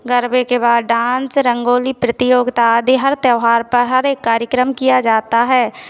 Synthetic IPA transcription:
ɡəɾbekebaːd̪ɖãːnsɾə̃ŋɡoːlipɾɪt̪ɪjoːɡt̪ad̪eɦəɾt̪jəʋɦaːɾpəɾɦɐɾeːkːaːɾjəkɾəmkijad͡ʒaːt̪aɦɛː

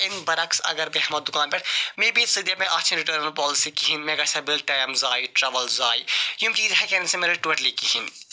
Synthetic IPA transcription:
ɪnbɐɾɐksɐ̰ɡəɾbiɦɐmɐd̪ʊkaːnpeːʈʰmẽːbisid̪jamẽʔaːt͡ʃʰɾɪʈəːɾnəlpɔːlɪsikiɦinmẽɡɐsɐbɪlʈɐːjɐmzaːiʈɾɐʋəlzaːijumt͡ʃiːzɦɛkɛːnnsemeːɾeʈʋeʈliːkːiɦɪn

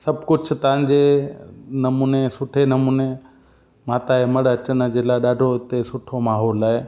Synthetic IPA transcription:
sɐbʱkʊd͡ʑʰʊ̆t̪ɐʋ̤ãɲd͡ʑe | nɐmuːnesʊʈʰenɐmuːne | maːt̪aemɐɽɐt͡ɕənd͡ʑeːlaːɗaːɖʱoɪt̪esʊʈʰomaːɦoːlaːɦe

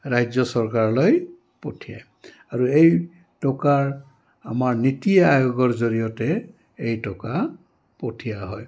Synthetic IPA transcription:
ɹajzɔsɔɹkaɹɔlɔj | potʰija̰j | aɹuej | tɔkaɹ | a̰maɹnitijaajoɡɔɹzoɹijɔtɛ | ejtɔka | potʰijaɦɔj

